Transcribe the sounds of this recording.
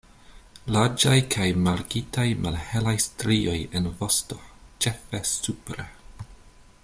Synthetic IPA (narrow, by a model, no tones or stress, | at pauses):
laɾd͡ʒajkʰajmaɾɡitajmʔalhelajstɾio̞jenvo̞sto̞t͡ʃe̞fesupɾe